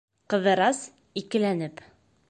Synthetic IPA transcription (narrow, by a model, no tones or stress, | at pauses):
qɤ̆ðɤ̆ɾɑs | ikɘ̆lænɘp